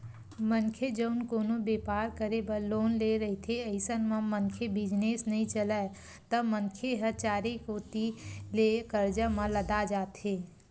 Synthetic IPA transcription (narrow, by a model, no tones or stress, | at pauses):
mənkʰed͡ʒəʊnkoːnobeːpaːɾkəɾebəloːnleɾəɦit̪ʰeəɪsənmə̃mənkʰebɪd͡ʒneːsnəɦĩt͡ʃəla | t̪əmənkʰeɦət͡ʃaːɾekoːt̪ilekəɾd͡ʒəmə̃ləd̪ad͡ʒaːt̪ɦeː